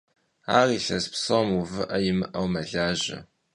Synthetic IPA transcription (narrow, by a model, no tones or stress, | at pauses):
aːriːɬɐspsɐmuvɨʔɐjɪmɨʔɐwmɐɮaːʒɐ̰